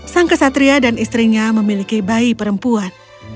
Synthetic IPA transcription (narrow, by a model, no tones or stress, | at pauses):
saŋkəsat̪ɾiadanist̪ɾiɲaməmilikibaipəɾəmpuan